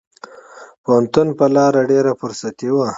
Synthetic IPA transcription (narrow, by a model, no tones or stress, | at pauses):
pohant̪ʊnpəlɑɾaɖeɾafʊɾsat̪iwa